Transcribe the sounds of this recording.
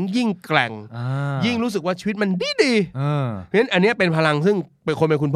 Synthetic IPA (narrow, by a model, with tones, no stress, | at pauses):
ŋji˥˩ŋklɛ̰˨˩ŋʔːji˥˩ŋɾuː˦˥s̬ɯ˨˩k̚waː˥˩t͡ɕʰiː˧wt̪̚ma˧ndiː˧˩diː˧ʔːʰi˧˦nːa˦˥nʔa˧nːi˦˥ɐpe˧npʰa˧la˧ŋsɯ˥˩ŋpe˧nkʰo˧mpa˧jkʰu˧npʰː